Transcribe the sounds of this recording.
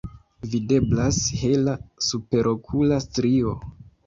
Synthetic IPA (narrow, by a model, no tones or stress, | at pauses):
vide̞blashelasupe̞ɾʔo̞kʰulastɾio̞